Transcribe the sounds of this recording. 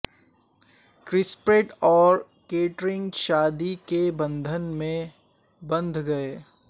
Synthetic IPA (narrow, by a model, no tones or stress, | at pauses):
kɾɪspɾeːʈɔːɾ | keːʈɾɪ̃ŋɡʃaːd̪ikebɐ̃nd̪ʱənmẽ | bɐ̃nd̪ʱɡɐeː